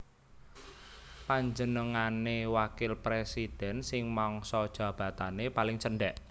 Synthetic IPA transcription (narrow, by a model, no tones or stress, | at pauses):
paɲd͡ʒənəŋanewakɪlpɾesid̥ɛ̤nsɪŋmɔŋsɔd̥ʒ̥ä̤b̥ä̤t̪anepalɪŋt͡ʃəɳɖɛʔ